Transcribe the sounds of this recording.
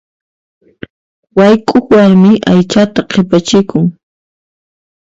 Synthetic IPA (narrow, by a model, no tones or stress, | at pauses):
wajkʼʊkwaɾmɪʔajt͡ʃat̪aqʰepat͡ʃɪkʊŋ